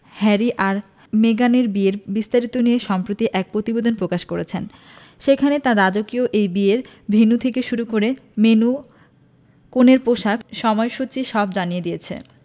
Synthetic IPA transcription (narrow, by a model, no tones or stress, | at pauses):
hɛɾiʔaɾ | meɡaneɾbieɾbist̪aɾit̪onieʃɔmpɾot̪iʔɛk̚pɾot̪ibod̪ʱonpɾokaʃkoɾet͡ɕʰen | ʃekʰanet̪aɾːad͡ʑokioʔejbieɾ | bʱinut̪ʰekeʃuɾukoɾemenu | koneɾpoʃakʃɔmɔeʃut͡ɕiʃɔbd͡ʑanijed̪ijet͡ɕʰḛ